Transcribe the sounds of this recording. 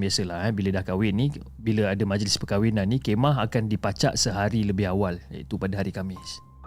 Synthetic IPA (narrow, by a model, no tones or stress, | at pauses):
biasəlahɛbilədahkawɪnːi | biləadamad͡ʒəlɪspəkawinãnːikemãɦakandipat͡ʃa̰ʔsəɦaɾiləbɪɦawalja̰it̪upadaɦaɾikamɪs